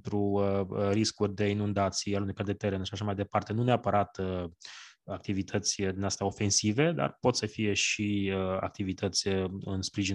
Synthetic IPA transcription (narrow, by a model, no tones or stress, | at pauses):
t̪ɾuəɾiskurʲd̪e̞inund̪at̪sialunujkard̪e̞t̪eɾenaʃaʃamajd̪e̞part̪e̞nuneapəɾat̪ə | ak̚t̪ivit̪ʰət̪sʲd̪inast̪ao̞fe̞nsive̞d̪a̰rpo̞t̪səfije̞ʃiəa̰k̚t̪ivit̪ət̪sʲəɨnspɾiʒi